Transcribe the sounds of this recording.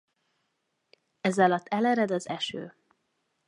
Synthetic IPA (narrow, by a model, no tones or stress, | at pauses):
ɛzɒlɒt̪ːɛlɛɾɛd̪ɒzɛʃø̰ː